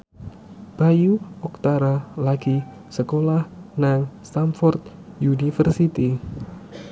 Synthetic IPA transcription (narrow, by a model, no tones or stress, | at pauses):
b̥ajuɔk̚t̪aɾalaɡi | səkolahnaŋst̪amfɔrt̪̚ | junifərsit̪i